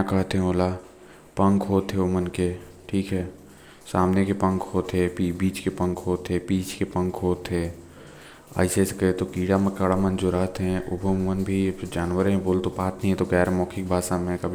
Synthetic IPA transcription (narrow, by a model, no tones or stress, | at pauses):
kɐɦt̪ɦɛ̃oːla | pɐ̃ŋkɦoːt̪ɦeʊmənke | ʈʰiːkɦɛː | saːmnekepɐ̃ŋkɦoːt̪ɦepibiːt͡ʃkepə̃ŋkɦoːt̪ɦepiːt͡ʃkepɐ̃ŋkɦoːt̪ɦeː | a̰ːɪsesekəet̪okiːɽaməkəɽamənd͡ʒoɾəɦt̪ɦɛ̃ʔʊbʱomənbʱid͡ʒaːnwəɾmẽboːlt̪opaːt̪nəɦĩɛ̃t̪oɡɛːɾmɔːkʰikbʱaːsamẽkɐbʱi